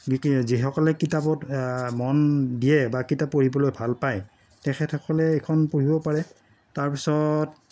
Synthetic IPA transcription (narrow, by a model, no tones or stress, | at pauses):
ɡiziɦɔkɔlɛkitapɔtmɔndijɛbakitapːoɹibɔlojbʱalpaj | tɛxʰɛtʰhɔkɔlɛekʰɔnpoɹibɔpaɹɛ | taɹpisɔt